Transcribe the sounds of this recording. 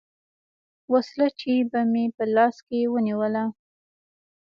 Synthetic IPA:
waslat͡ʃebamepəlɑskewəniwəla

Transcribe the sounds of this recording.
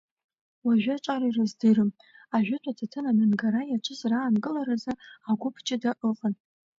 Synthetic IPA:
waʒᶣat͡ʃʷʼaɾairɨzdɨrɨm | aʒᶣʊtʷʰʼatʰatʰɨnamɨnɡaɾajaʈ͡ʂʷʰɨzraːnɡʼɨlaɾazɨaɡʷʊpʰt͡ʃʼɪdaʔɨqʼən

